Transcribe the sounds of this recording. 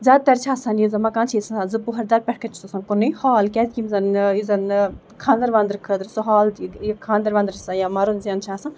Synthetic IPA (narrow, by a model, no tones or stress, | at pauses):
zʲad̪̚t̪ɐɾt͡ʃʰaːsɐnjizɐmɐkãːnt͡ʃʰisazɨpuɦɐɾd̪ɐɾpʲɛʈʰkɐnt͡ʃʰu̥t̪osɐ̃nkonːɨjhaːlkʲɛd̪̚kʲimzɐnizɐn | kʰãːnd̪ɐɾʋãːnd̪ɾkʰəd̪ɾsuɦaːlkʰãːnd̪ɐɾʋãːnd̪ɾsãjamɐɾunzjɐnt͡ʃʰaːsã